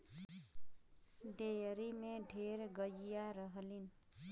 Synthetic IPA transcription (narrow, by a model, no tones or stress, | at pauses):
d̪ejəɾimeɖʱeɾɡəd͡ʒijaɾəɦəlin